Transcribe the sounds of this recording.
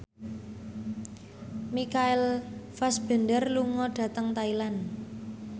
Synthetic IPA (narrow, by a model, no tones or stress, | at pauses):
mikaɪlfasb̥ə̤ndərluŋɔɖ̥a̤t̪əŋt̪ailan